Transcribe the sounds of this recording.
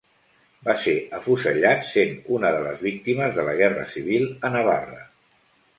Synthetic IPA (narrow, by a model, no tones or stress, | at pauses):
baseəfusəʎat̪senunəðələ̰zβik̚t̪iməzðələɣ̞ɛrə̰siβ̞ilˠənəβ̞a̰rə̰